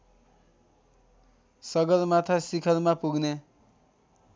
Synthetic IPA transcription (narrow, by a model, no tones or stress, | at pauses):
sʌɡʌlmat̪ʰasikʰʌlmapuɡne